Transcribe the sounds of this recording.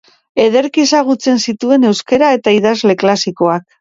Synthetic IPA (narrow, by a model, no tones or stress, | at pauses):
e̞ð̞e̞ɾkiesaɣut͡se̞nsit̪ue̞ne̞wske̞ɾae̞t̪aiðazle̞klasiko̞ak̚